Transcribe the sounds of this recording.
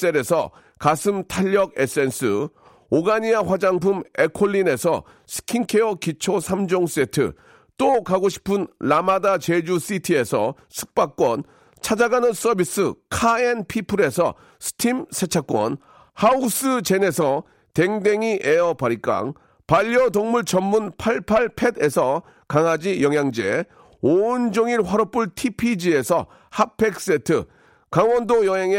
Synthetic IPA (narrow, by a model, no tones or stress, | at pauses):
s͈eɾe̞sʰʌ̰ | kasʰɯmtʰaʎːʌɡes͈e̞ns͈ʰɯ̰ | oɡaɲiaɸwad͡ʑaŋpʰumekʰoʎːine̞sʰʌ̰ | sʰɯ̥kʰiŋkʰe̞ʌkit͡ɕʰosʰamd͡ʑoŋse̞tʰɯ̰ | t͈okaɡoɕʰi̥pʰɯnlamadat͡ɕe̞d͡ʑus͈ʰitʰie̞sʰʌ | sʰɯ̥k̚p͈ak͈wʌn | t͡ɕʰad͡ʑaɡanɯns͈ʌbis͈ɯkʰaenpʰipʰɯɾe̞sʰʌ̰ | sʰɯ̥tʰimsʰe̞t͡ɕʰak͈wʌ̰n | haus͈ɯt͡ɕe̞ne̞sʰʌ | te̞ŋde̞ŋiʔe̞ʌpaɾik͈a̰ŋ | paʎːʌtoŋmuɭt͡ɕʌmmunpʰaɭpʰaɭpʰe̞de̞sʰʌ | kaŋad͡ʑijʌŋjaŋd͡ʑe | ond͡ʑoŋiɭɸwaɾʌp͈uɭtʰipʰid͡ʑie̞sʰʌ | hapʰe̞k̚s͈e̞tʰɯ̰ | kaŋwʌndojʌɦe̞ŋe